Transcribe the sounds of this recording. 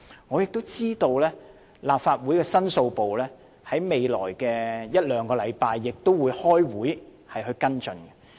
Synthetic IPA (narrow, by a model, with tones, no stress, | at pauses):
ŋɔː˨˧jɪ˨k̚t̪o˥wt͡siː˥t̪o˧wlɛː˥ | laː˨pfaː˧t̚wuː˨˥jkɛː˧sɐ˥nso˧wpo˨wlɛː˥ | hɐ˨˥jme˨˧jlɔ̰ː˨˩jkɛː˧jɐ˥t̚lœː˨˧ŋkɔː˧lɐ˨˧jpaː˧jːɪ˨k̚t̪o˥wuː˨˧jhɔː˥jwuː˨˥j | hɐ˨jhɵ˧ɥkɐ˥nt͡ʃɵ˨˧nɡɛ̥˨˧